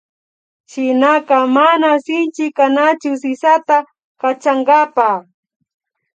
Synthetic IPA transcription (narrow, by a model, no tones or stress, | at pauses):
ʃɪnakɑmanasɪnt͡ʃɪkanat͡ʃʊsɪsat̪a | kat͡ʃaŋɡapa